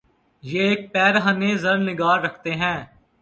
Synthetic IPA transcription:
jeːeːk̚pɛːɾɦəneːzəɾnɪɡaːɾːəkʰt̪eːɦɛ̃ː

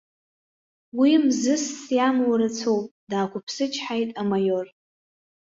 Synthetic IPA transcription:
wimzɨsːjamwaɾat͡sʰowpʼdaːkʷʰʊpʰsɨt͡ʃʰʼħajtʼamajor

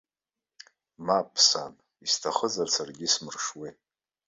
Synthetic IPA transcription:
mapʰsan | istʰaχəzarsarɡʲismɨrʂwi

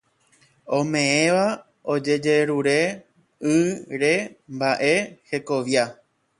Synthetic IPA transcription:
õmẽ̞ẽʋa | o̞d͡ʒe̞d͡ʒe̞ɾuɾe̞ | ɨɾembaʔe̞he̞ko̞ʋja

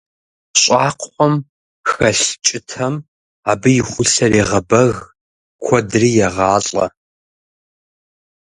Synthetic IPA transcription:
ɕʼɑːqʷʰħʷɔm | xɐɬt͡ʃʼɪtʰɐm | aːbɨjɪxʷʊɬɐreːʁɐbɐɣ | kʷʰɔdriːjɛʁɑːɬʼɐ̰

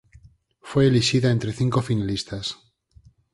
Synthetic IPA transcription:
fwe̞ːliʃiðaent̪ɾe̞θiŋko̞finalist̪as

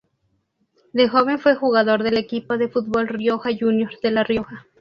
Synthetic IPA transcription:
d̪exo̞βe̞ɱfwe̞xuɣaðo̞ɾðe̞lekipoðe̞fut̪̚bo̞lrjo̞xaʝunjo̞ɾðe̞larjo̞xa

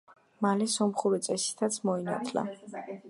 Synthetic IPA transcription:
malɛsɔmχuɾit̪sʼɛsi̥t̪ʰat̪sʰmɔina̰t̪ʰla̰

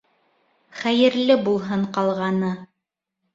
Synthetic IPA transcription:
χæjɘ̆ɾlɘbulˠɦɤɴqɑlˠʁɑnɤ

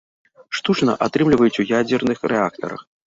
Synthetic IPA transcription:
ʂt̪ut͡ʂnɐʔat̪ɾɨmlʲɪvəjɪt͡sʲujad͡zʲɛrnɨxrɛak̚t̪ɐ̰ɾə̰x

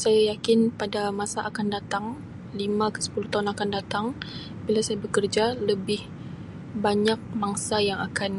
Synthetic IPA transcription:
sajajakɪnpadamasaʔakandat̪aŋ | limãkə̥sə̥puluht̪aɦunakandat̪aŋ | bilasajabəkərd͡ʒaləbɪh | baɲak̚maŋsajaŋakan

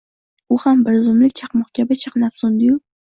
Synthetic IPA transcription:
ʊhambɪɾzʊmlɪkʲt͡ʃʰaqmɒχkʲʰabɪt͡ʃʰɑ̥qnapsʊnd̪ɪjʊ

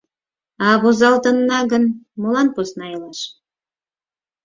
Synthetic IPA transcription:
ɑβozɑlt̪ə̆nːɑɣənmolɑnposnɑjlɑʃ

